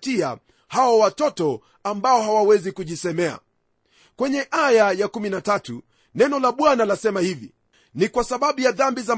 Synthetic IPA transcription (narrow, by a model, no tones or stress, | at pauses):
tia | hawɔwatɔtɔ | ambaɔhawawɛzikuʄisɛmɛa̰ | kwɛɲɛʔajajakuminatatu | nɛnɔlaɓwanalasɛmahivḭ | nikwasaɓaɓujaðambiza